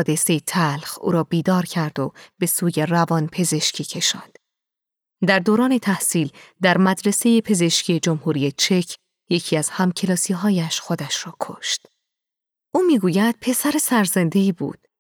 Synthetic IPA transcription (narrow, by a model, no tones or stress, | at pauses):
d̪e̞se̞jet̪ʰælxṵːɾɒːbiːd̪ɒːɾcʰæɾd̪̥ob̥e̞suːje̞rævɒːnpʰe̞ze̞ʃcʰiːcʰe̞ʃɒ̰ːnd̪̥ | d̪æɾd̪oːɾɒːne̞t̪ʰæhsiːld̪æɾmæd̪ɾe̞se̞jepʰe̞ze̞ʃcʰije̞d͡ʒo̞mhuːɾijet͡ʃʰe̞cʰ | je̞cʰiːæz̥hæmcʰe̞lɒːsiɦɒːjæʃxo̞d̪æʃɾɒːkʰo̰ʃt̪ | ʔuːmiːɡuːjæd̪̥̚pʰe̞sæɾe̞sæɾzend̪e̞iːbṵːd̪̥